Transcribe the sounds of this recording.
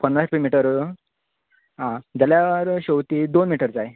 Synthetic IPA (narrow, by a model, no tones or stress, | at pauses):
pənɾaspimiʈəɾ | ɦãd͡ʑaljaʋəɾɕəwt̪iːd̪onmiʈəɾd͡zaj